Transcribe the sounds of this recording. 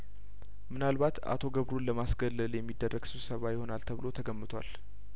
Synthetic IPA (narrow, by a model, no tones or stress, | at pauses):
mɨnalbat̪a̰t̪ʰoɡəβɾunləmasɡəlːəljɛmːid̪ːərːʔəɡ̥sɨβsəβajɪho̞nalt̪ʰəβɨlo̞t̪ʰəɡəmːɨt̪ʰwa̰l